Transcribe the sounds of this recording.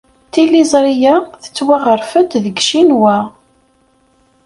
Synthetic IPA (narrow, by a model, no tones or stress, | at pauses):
t̪ilizˤɾijaθə̥t͡sːwaʁəɾfət̪ðəɡʃinwæ